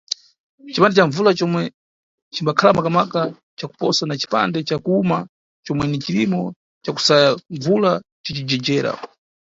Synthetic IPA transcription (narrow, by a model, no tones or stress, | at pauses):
t͡ʃipandɛt͡ʃaɱvulat͡ʃɔmwɛ | t͡ʃimbakʰalamakamaka | t͡ʃaku̥pɔsanat͡ʃi̥pa̰ndɛt͡ʃakuuma | t͡ʃɔmwɛnit͡ʃilimɔ | t͡ʃaku̥sajaɱvulat͡ʃit͡ʃid͡ʒɛd͡ʒɛːɾa̰